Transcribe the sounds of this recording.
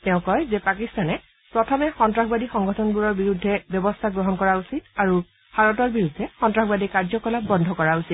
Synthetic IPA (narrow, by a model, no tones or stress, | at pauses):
tɛʊ̃kɔjzɛpakistanɛ | pɹɔtʰɔmɛxɔntɹaxbadixɔŋɡɔtʰɔnbuɹɔɹbiɹudʱːɛbjɔbɔstʰaɡɹɔɦɔnkɔɹausitaɹu | b̥ʱaɹɔtɔɹbiɹudʱːɛxɔntɹaxbadikaɹzɔkɔlapbɔndʱɔkɔɹausit